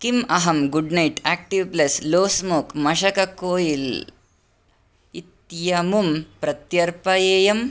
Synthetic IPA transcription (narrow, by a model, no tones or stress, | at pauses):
kimɐɦɐmɡuɖnɐjʈæːk̚ʈiʋplɐsloːsmoːkmɐʃɐkɐkoːjil | it̪jɐmumpɾɐt̪jɐɾpɐjeːjɐm